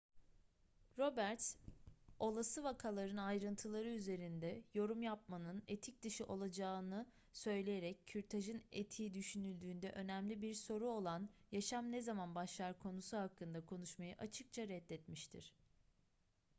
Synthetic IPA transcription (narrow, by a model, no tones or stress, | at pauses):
ɾo̞bæɾt̪s | o̞lˠasɯvakʰalˠaɾɯnajɾɯnt̪ʰɯlˠaɾɯyze̞ɾind̪ɛjo̞ɾumjap̚manɯnet̪ʰic̚d̪ɯʃɯʔo̞lˠad͡ʒaːnɯ | sø̞jlʲejeɾɛcːʰyɾt̪ʰaʒɯnet̪ʰiːd̪yʃynylʲd̪yːnd̪ɛ̰ʔø̞næmlʲibiɾso̞ɾuo̞lˠanjaʃamnezamanbaʃlˠaɾkʰo̞nusuɦakːɯnd̪akʰo̞nuʃmajɯʔat͡ʃʰɯk̚t͡ʃʰaɾɛd̪ːɛt̪miʃt̪ʰḭɾ̥